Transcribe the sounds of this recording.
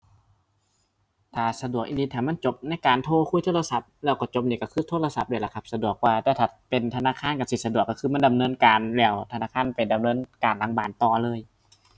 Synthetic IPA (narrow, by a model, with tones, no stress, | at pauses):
t̪ʰaː˨˩sa˧du˨˩ək̚ʔi˧ndiː˧t̪ʰaː˨˩ma˧˥˨nt͡ɕo˧˦p̚na˥˨jkaː˨nt̪ʰoː˧˨kʰuː˧˥˨jt̪ʰoː˥la˧sa˧˦p̚lɛː˧˩wkɔː˧˩t͡ɕo˧˦p̚niː˧˩ka˧˩kʰɯː˧˥˨t̪ʰoː˧˥˨la˧sa˧˦p̚du˧˩˨la˧˩kʰa˧˩p̚sa˧du˨˩ək̚waː˧˩t̪ɛː˧˩t̪ʰːpe˨nt̪ʰa˧naː˧˥˨kʰaː˧˥˨nka˧˩si˧˩sa˧du˨˩əkːa˧˩kʰɯː˧ma˧˥˨nda˨mnɤː˧˥˨nkaː˨nlɛː˧˩wt̪ʰa˧naː˧˥˨kʰaː˧˥˨npa˨jda˨mnɤː˧˥˨nkaː˨˩nlaː˧˥ŋbaː˨˩˨nt̪ɔː˧˩lɤː˧˥˨j